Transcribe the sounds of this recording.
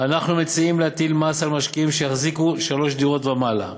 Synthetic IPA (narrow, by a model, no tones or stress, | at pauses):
anaχnumet͡siimleat̪ilmasalmaʃkiimʃejaχzikuʃalo̞ʃd̪iʁo̞t̪bamala̰